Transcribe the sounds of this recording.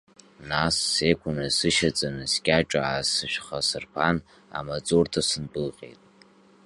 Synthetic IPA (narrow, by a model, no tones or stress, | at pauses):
nasːekʷʰʊnɨsɨʃat͡sʼanɨskʲʼaʈ͡ʂʼaasɨʃᶣχasɨrpʰan | a̰mat͡sʼortʰasɨnbɨlqʲʼḛjtʼ